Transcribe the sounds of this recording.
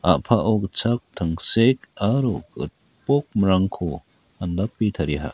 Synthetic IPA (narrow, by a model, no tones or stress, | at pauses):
a̰pʰaʔɔkt͡ʃʰak̚t̪ʰaŋsekaɾukɯ̰t̪̚ | pɔk̚mɐɾaŋkʰɔ | andapːit̪ʰaɾiɦa̰ʔ